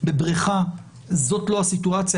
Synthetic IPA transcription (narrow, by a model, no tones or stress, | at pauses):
bebʁiχa | zo̞tlo̞asituat͡sja